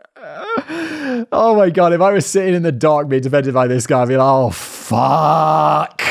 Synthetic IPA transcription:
oʊmaɪɡɒɾɨfaɪwəz̥sɪtɪ̃ŋɪ̃nðədɑɹk̚b̥idɪfɛ̃ndɪd̚baɪðɪs̬ɡ̥aɪãmbilaɪkoʊfʌ | k

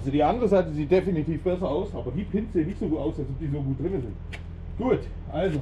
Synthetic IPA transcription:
zodiːʔandəʁəzaɪtəziːt̚d̥efinitʰiːfb̥ɛsɐaʊsʔaːbɐdiːpʰɪntz̥enɪçz̥oɡuːtaʊsalsɔp̚d̥iːzoːɡuːt̚d̥ʁɪnəzɪnt | ɡ̥uːt | ʔalzo

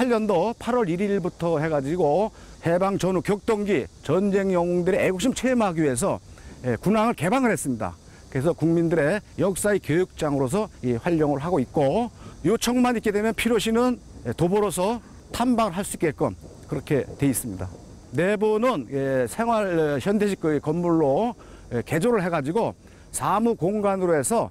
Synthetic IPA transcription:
ɸwaʎːʌndopʰaɾwʌɾiɾiɭbutʰʌhe̞ɡad͡ʑiɡo | he̞baŋt͡ɕʌnukjʌk̚t͈ʌŋɡit͡ɕʌnd͡ʑe̞ŋjʌŋoŋdɯɾeeɡok̚ɕ͈imt͡ɕʰeimɦaɡiɥie̞s̬ʰʌ̰ekunaŋɯɭke̞baŋɯɾɦes͈ɯmɲida̰ | kɯɾesʰʌkuŋmindɯɾe̞jʌk̚s͈aikjojuk̚t͡ɕ͈aŋɯɾos̬ʰʌiɸwaʎːoŋɯɭɦaɡoit̚k͈ojot͡ɕʰʌŋmaɲit̚k͈e̞dwe̞mjʌnpʰiɾjoɕʰinɯnetobʌɾosʰʌ | tʰanbaŋɯɭɦaɭs͈uik͈ːek͈ʌn | kɯɾʌkʰe̞twe̞is͈ɯmɲida̰ | ne̞bunɯnesʰe̞ŋɦwaɭçjʌnde̞ɕʰi̥k͈ɯkːʌmːuɭːo | eke̞d͡ʑoɾɯɭɦe̞ɡad͡ʑiɡo | sʰamukoŋɡanɯɾoɦe̞sʰʌ

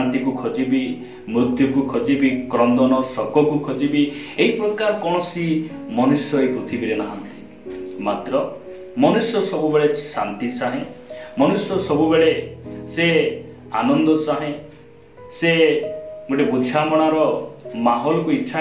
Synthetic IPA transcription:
nt̪ikukʰɔd͡ʒibi | mɾud̪ʱjɔkukʰɔd͡ʒibikɾɔnd̪ɔnɔsɔkɔkukʰɔd͡ʒibieɦipɾɔkaɾɔkɔɽ̃ɔsimɔnusjɔepɾut̪ʰibiɾenaɦant̪i | mat̪ɾɔ | mɔnusjɔsɔbubeɭesa̰nt̪it͡ʃaɦẽmɔnusjɔsɔbubeɭese | anɔnd̪ɔt͡ʃaɦẽ | se | ɡoʈebud͡ʒʱamɔɽ̃aɾɔmaɦɔlɔkuiːʃʰa

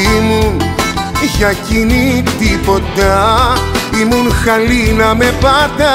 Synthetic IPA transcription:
imuniçɐcinit̪ipo̞t̪ɐ | imunxɐlinɐmepɐd̪ɐ

